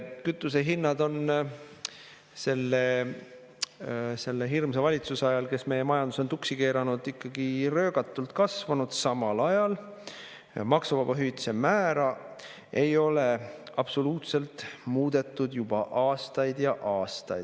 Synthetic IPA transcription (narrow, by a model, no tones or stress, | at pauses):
kyt̪ːˑuse̞ɦinːɑd̪o̞n | se̞lːe | se̞lːeɦirmsevɑlʲit̪susɑjɑlke̞sme̞jemɑjɑnd̪uso̞nt̪uksike̞ːɾɑnud̪̥ikːɑɡ̥irø̞ːɡɑt̪ːˑult̪kɑsvɑnud̪̥sɑmɑlɑjɑl | mɑksuvɑb̥ɑɦyjt̪se̞mæːɾɑ | e̞jo̞le̞ | ɑb̥so̞luːt̪se̞lt̪muːd̪̥e̞t̪ːˑud̪jub̥ɑʔɑːst̪ɑjd̪jɑʔɑːst̪ɑjd̪